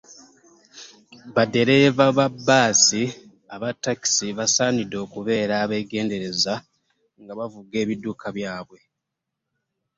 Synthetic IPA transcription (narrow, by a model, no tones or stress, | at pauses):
βade̞ɾe̞vaβabːaːsi | aβatːaki̥siβasaːnido̞ːkuβe̞ːɾaːβe̞ɡe̞ːnde̞ɾe̞za | ŋɡaβavuɡe̞ːβidːukʰaβjaːβwe̞